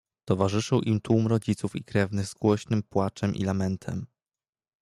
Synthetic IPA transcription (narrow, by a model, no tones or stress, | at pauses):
t̪ɔvaʐɘʂɘwʔimt̪wumɾɔd͡ʑit̪sufikɾɛvnɘɣzɡwɔɕnɘmpwat͡ʂɛmʔḭlamɛnt̪ʰɛ̰m